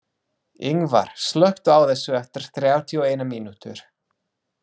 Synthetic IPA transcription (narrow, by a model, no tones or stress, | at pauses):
ɪŋva̰ɾ̥slœht̪ʏaːwθɛsːʏɛft̪ɪɾ̥θɾjaːwt̪ʰiɔeːjnamiːnut̪ʏɾ̥